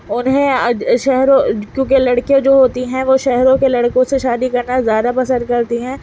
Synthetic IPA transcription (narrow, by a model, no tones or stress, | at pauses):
ʊnɦẽɐʃɛɦɾõkjõːkelɐɽkijõd͡ʒoːɦoːt̪iɦɛ̃ʋoːʃɛɦɾõkelɐɽkõseʃaːd̪ikɐɾnazjaːd̪apɐsə̃nd̪̚kɐɾt̪iɦɛ̃ː